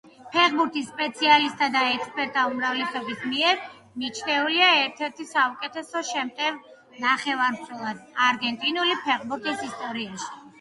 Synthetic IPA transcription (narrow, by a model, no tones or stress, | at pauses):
pʰɛʁbuɾt̪ʰisːpʼɛt̪sʰialist̪ʼad̪aɛk̪spʼɛɾt̪ʰʼaumɾavlɛsɔbismiɛɾ | nit͡ʃʰnɛuliaɛɾt̪ʰɛɾt̪ʰisaukʼɛt̪ʰɛsɔʃɛmt̪ʼɛv | naχɛvaɾmχʰɛlˠad̪aɾɡɛnt̪ʼinulipʰɛʁbuɾt̪ʼʰisist̪ʼɔɾiaʃi̥